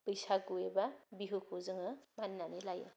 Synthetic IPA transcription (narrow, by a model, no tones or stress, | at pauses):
pɯjsaɡuebabiɦɯkʰozɯŋɯmanːanelajɯ̰